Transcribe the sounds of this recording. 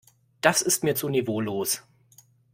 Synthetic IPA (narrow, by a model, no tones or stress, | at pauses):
d̥asɪstmiːɐt͡sunevoːloːs